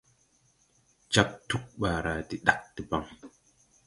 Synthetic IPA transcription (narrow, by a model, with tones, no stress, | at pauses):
d͡ʒa˦p̚tu˦k̚ɓaː˨ɾa˨di˨ɗa˦˨k̚ti˨ba˦ŋ